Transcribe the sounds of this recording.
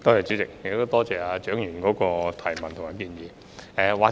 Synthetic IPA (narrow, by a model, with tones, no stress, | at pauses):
t̪o˥whɐ˨jt͡ʃy˨˥t͡sɪ˨k̚jk̚t̪o˥wt̪ɔː˥t͡sɛː˨aː˧t͡ʃœː˨˥ŋjyː˨˩nkɔː˨˥kɔː˧t̪ʰɐ˨˩jmɐ˨˩nt̪ʰʊ˨˩maː˨˩kiː˧njiː˨˧ | ɛː˨˧waː˨